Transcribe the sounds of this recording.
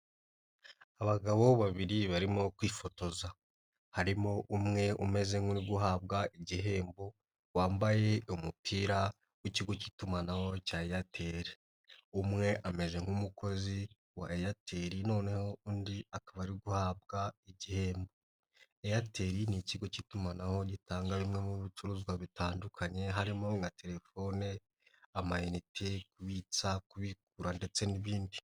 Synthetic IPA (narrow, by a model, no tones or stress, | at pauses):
aβaɡaβo̞βaβiɾiβaɾimo̞kwiːfo̞to̞za | haɾimo̞ʔumŋe̞ume̞ze̞ŋuniɡuɦabɡaʔiɟiɦe̞ːmbo̞ | waːmbaje̞umupʰiːɾa | uciɡo̞ci̥tumanawo̞caːejatʰe̞ːɾi | umŋe̞ʔame̞ze̞ŋ̥humuko̞zi | waejatʰe̞ɾino̞ːne̞ho̞undiakaβaɾiɡuhaːb̚ɡaiɟihe̞ːmbo | ejatʰeɾiniciɡo̞citumanaho̞ɟitaːŋɡaβimŋe̞muβit͡ʃuɾuzɡwaβitʰaːndukʰaɲe̞ɦaɾimo̞ŋɡatʰe̞ɾe̞fo̞ne | amainitʰekuβit͡sakuβik̚uɾande̞t͡se̞niβiːndi